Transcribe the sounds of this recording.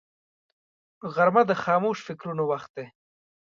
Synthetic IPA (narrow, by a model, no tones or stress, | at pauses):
ɣaɾmad̪əxɑːmoʃfɪkɾunowaxt̪̚d̪e